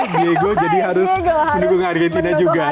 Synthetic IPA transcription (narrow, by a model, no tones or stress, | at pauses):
eɡod͡ʒadiɦaɾʊsməndukʊŋaarɡɛnt̪inad͡ʒuɡa